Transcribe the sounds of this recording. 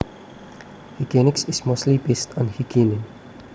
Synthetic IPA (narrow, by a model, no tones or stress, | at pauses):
hikɛnɪksɪsmostlibestʰɔ̃nhikʰinĩn